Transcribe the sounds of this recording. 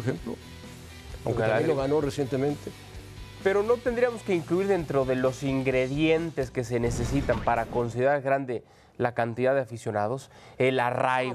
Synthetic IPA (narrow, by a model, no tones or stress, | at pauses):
xemplo | a̰wŋkeeloɣanoresjent̪emẽnt̪e | pe̞ɾo̞no̞t̪e̞nd̪ɾijamo̞skeiŋkluiɾðe̞nt̪ɾo̞ðe̞lo̞siŋɡɾe̞ðje̞nt̪e̞ske̞se̞ne̞se̞sit̪ampaɾako̞nsiðe̞ɾaɾɣɾand̪e̞ | lakant̪iðaðeafisjo̞nað̞o̞s | e̞laraj